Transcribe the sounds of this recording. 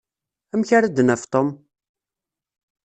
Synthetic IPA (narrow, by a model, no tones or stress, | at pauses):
æmçaɾəd̪nəft̪ˤom